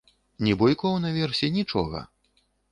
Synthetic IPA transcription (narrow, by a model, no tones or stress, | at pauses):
nʲɛbɔjkɔwnɐvʲɛrsʲɛnʲit͡ʂɔ̰ɣɐ̰